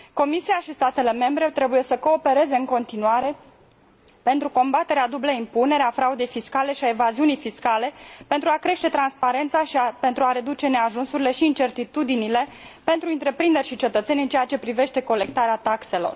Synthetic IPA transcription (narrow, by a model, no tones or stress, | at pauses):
ko̞misiaʃist̪at̪e̞le̞me̞mbɾe̞t̪ɾe̞buje̞səko̞ːpe̞ɾe̞ze̞ɨŋko̞nt̪inuaɾe̞ | pe̞nt̪ɾuko̞mbat̪e̞ɾead̪ubləimpune̞ɾeafɾaud̪e̞jfiskale̞ʃiaevaziunijfiskale̞pent̪ɾuakɾe̞ʃt̪e̞t̪ɾanspaɾe̞nt̪saʃape̞nt̪ɾuaɾe̞d̪ut͡ʃe̞ne̞aʒunsuɾile̞ʃiːnt͡ʃe̞rt̪it̪ud̪inile̞ | pe̞nt̪ɾuɨnt̪ɾe̞pɾind̪e̞rʲʃit͡ʃe̞t̪ət̪se̞nʲɨnt͡ʃejat͡ʃe̞pɾive̞ʃt̪e̞ko̞le̞k̚t̪aɾeat̪akse̞lo̞̰r